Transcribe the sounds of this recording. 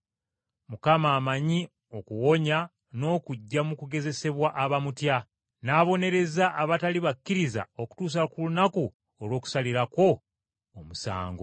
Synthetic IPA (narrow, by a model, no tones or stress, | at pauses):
mukamaːmaɲi | o̞kuwo̞ɲa | no̞ːkuɟːamukuɡe̞ze̞se̞βwaʔaβamutja | naːβo̞ne̞ɾe̞zaʔːβataliβakːiɾiza̰o̞ku̥tuːs̬akulunaku | olwo̞ːku̥saliɾako̞ː | musa̰ːŋɡo